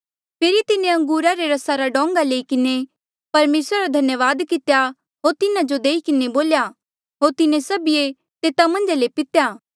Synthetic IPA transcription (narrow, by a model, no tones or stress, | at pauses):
pʰeːɾit̪ɪnẽɐ̃ŋɡuːɾaɾeɾɐsaɾaɖɔ̃ːŋɡaleːikɪne | pɐɾmeːsɾaɾad̪ʱɐnjəʋaːd̪kɪt̪eja | ɦoːɾt̪ɪnad͡ʒod̪eːikɪneboːlja | ɦoːɾt̪ɪnẽsɐbie | t̪eːt̪amɐ̃nd͡ʒalepɪt̪jaː